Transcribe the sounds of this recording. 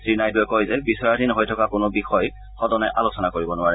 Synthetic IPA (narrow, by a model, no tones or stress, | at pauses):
sɹinajdɔjkojzɛbisɔɹadinɦojtʰɔkakʊnʊbixɔj | xɔdɔnɛʔalosɔnakoɹibɔnʊaɹɛ